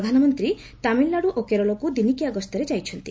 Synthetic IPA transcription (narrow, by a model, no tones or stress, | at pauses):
d̪ʱanɔmɔnt̪ɾi | t̪amilːaɽuʔokeɾɔlɔkud̪inikiaɡɔst̪ɔɾed͡ʒajt͡ʃʰɔnt̪i